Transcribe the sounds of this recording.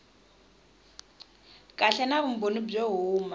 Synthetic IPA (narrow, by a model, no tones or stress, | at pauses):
kʼaɬɛnaβum̩bonib͡ʐeɦuːma